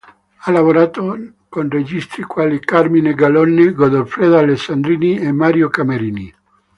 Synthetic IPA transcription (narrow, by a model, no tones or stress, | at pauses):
alavoɾaːt̪o | konred͡ʒist̪ɾikwaːlikarmineɡalɔnːeɡod̪olfɾed̪alesːand̪ɾiːniemaɾjokameɾiːni